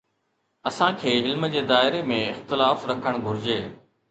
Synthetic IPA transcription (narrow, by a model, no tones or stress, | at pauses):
ɐsãkʰeːɪlməd͡ʑeːd̪aːɪɾemẽɪxt̪ɪlaːfɾɐkʰəɽ̃ɡʱʊɾɪd͡ʑeː